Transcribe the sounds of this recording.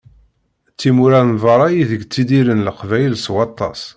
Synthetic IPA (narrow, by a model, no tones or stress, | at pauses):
t͡sːimuɾænvˤɑɾˤɑjiðəɡt͡sːid̪iɾənləqvæjlswɑt̪ˤːɑ̰s